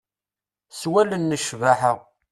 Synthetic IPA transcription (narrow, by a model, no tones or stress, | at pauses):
swælənːəʃvaħəʁ